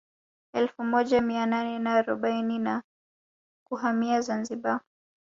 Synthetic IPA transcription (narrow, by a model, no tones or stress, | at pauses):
ɛlfumɔʄamiananɛnaːɾɔɓainina | kuɦamiazanziɓa